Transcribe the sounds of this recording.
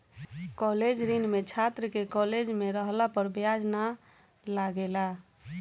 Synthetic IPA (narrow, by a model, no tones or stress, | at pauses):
kɔled͡ʒɾinmet͡ʃʰat̪ɾəkekɔled͡ʒmeɾəɦlapəɾbjad͡ʒna | laɡela